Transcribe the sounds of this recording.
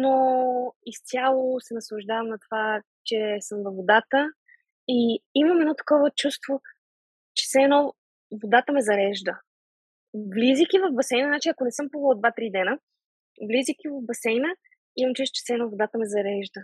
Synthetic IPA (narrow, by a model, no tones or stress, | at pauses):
noist̪ʲjalˠosɛnɐslˠɐʒd̪avəmnɐt̪ova | t͡ʃɛsəmvɐvod̪at̪ə | iiməmɛd̪nɔt̪ɐ̥kɔvət͡ʃust̪vo | t͡ʃɛ̥sɛɛnɔ | vod̪at̪əmɛzɐɾɛʒd̪ə | vlizʲik̟ʲivɐvbɐsɛjnənat͡ʃiɐkonɛsɤmpuvəd̪vat̪ɾid̪ɛnə | vlizʲik̟ʲivɐvbɐsɛjnə | imɐmt͡ʃut̪t͡ʃɛ̥sɛnɔvod̪at̪əmɛzɐɾɛʒd̪ə